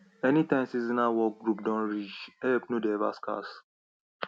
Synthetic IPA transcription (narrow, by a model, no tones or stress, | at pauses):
ɛnitãɪ̃msizinawɔk̚ɡɹupdɔ̃nɹid͡ʒɛp̚nodɛva̰ska̰s